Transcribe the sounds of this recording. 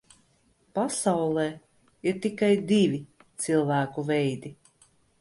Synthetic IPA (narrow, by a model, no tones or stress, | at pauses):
pasawlˠɛː | iɾt̪ikajd̪ivʲi | t̪silˠvæːkuvʲɛjd̪i